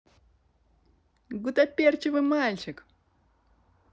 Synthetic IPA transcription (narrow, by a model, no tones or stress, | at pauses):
ɡut̪ɐpʲert͡ɕɪvɨmalʲt͡ɕɪk